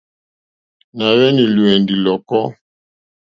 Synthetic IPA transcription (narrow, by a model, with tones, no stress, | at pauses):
na˨wɛ˦ni˨lwɛ˨ndi˨lɔ˨kɔ˦